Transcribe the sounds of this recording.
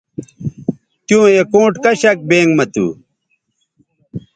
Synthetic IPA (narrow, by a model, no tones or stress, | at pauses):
t̪jũːekõːʈkɐɕɐk̚beːŋɡmɐt̪ṵː